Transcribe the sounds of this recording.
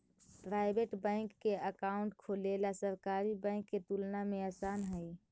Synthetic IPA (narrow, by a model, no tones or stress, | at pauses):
pɾaɪbeʈbɛ̃ɪŋkːeəkaʊɳʈ̚kʰolelasəɾkaɾibə̃ɪ̃ŋkːet̪ulnameasaːnɦəj